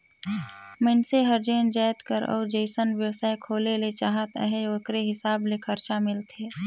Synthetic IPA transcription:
mə̃nseɦəɾd͡ʒeːnd͡ʒaːjt̪kəɾɔ̰ːɾd͡ʒeɪsənʋjəwsaːekʰoːlelet͡ʃaːɦət̪ə̰ɦeoːkɾeɦɪsaːblekʰəɾt͡ʃamɪlt̪ʰeː

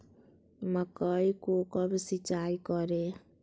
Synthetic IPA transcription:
mʌkʌjkokʌbisit͡sajkʌɾe

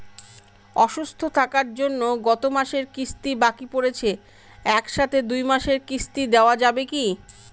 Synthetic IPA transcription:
ɔʃust̪ʰot̪ʰakaɾd͡ʑonːoɡɔt̪omaʃeɾkist̪ibakipoɾet͡ɕʰe | ɛkʃat̪ʰed̪ujmaʃeɾkist̪id̪eoad͡ʑabeki

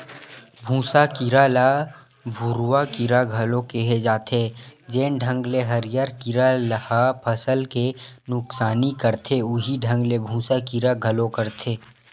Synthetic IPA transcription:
bʱũːsakɪɾala | bʱʊɾwakɪɾaɡʱɐlõkeɦed͡ʒaːt̪ʰed͡ʒeːnɖʱɐ̃ŋɡleɦɐɾɪjaɾkɪɾaləhapʰɐsəlkenʊksaːnikɐɾt̪ʰeʊɦiɖʱə̃ŋɡlebʱũːsakiɾaɡʱɐlõkəɾt̪ʰeː

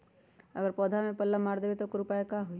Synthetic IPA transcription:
əɡəɾpɔːd̪ʱamẽpəlːamaːɾd̪ebet̪okoɾupaːjakaɦu

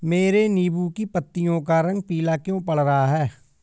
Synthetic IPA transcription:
meːɾeːniːbuːkiːpət̪ːɪjõːkaːɾə̃ŋɡ̚piːlaːkjõːpəɽɾəɦaːɦɛː

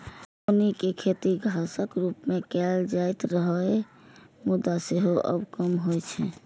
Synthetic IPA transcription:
onikekʰet̪iɡʱasəkɾupmekɛld͡ʒajt̪ɾəɦəe | mud̪aseɦoʔə̰bkəmɦojt͡ʃʰɛ

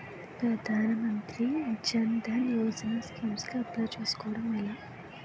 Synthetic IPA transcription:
pɾɐd̪ʱaːnɐmɐnt̪ɾit͡ʃːɐnd̪ʱɐnjoːd͡ʒɐnaːskiːmsloɐp̪lat͡ʃuːsu̥kɔːʋɐɽɐmɐlːa

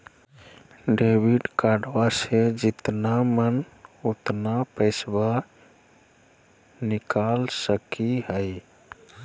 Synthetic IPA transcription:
ɖebʱiɖkaɖwased͡ʒit̪namən | ut̪napəɪsba | nikalsəkiɦəj

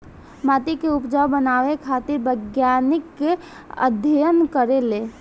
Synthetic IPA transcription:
mat̪ikeupd͡ʒawbənaʋekʰat̪ɪɾbəɡjanɪkːe | ə̰d̪ʱjəjənkəɾele

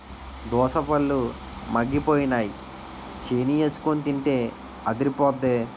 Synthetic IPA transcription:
d̪ɔːsɐpɐlːu | mɐɡːipoːjinaːji | t͡ʃeːnijɐskonit̪iɳʈeː | ɐd̪iɾipɔːd̪eː

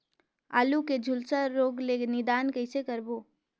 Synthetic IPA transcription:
a̰ːluked͡ʒʱʊlsəːoːɡleɡnɪd̪aːnkəɪsekəɾboː

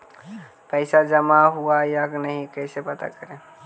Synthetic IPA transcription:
pəɪsad͡ʒəmaɦuajaknəɦĩkəɪsepət̪a̰kəɾe

